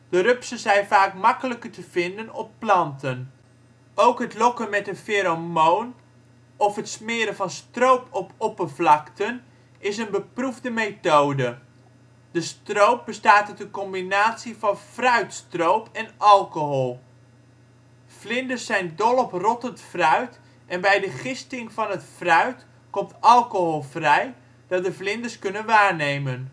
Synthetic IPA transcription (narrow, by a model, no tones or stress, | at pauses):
d̥ərøpsəzɛjnfaːkmɑkələkətəv̥ɪndənɔpːlɑntʰən | owkɦətlɔkənmɛtənfeɾomoːn | ɔfɦətsmɪːəɾəvɑnstrowpʰɔpɔpəvlɑktən | ɪsənbəpruvdəmetoːdə | d̥əstrowp̚bəstaːtətənkɔmbinaːtsivɑnfrœɥtstrowpɛnɑlˠkoɦɔlˠ | v̥lɪndəsːɛjndɔlˠɔprɔtətfrœɥt | ʔɛnbɛjdəχɪstɪŋvɑnɦətfrœɥt | kɔmtɑlˠkoɦolˠvrɛj | d̥ɑt̚dəvlɪndəskɵnənʋaːɹnejmən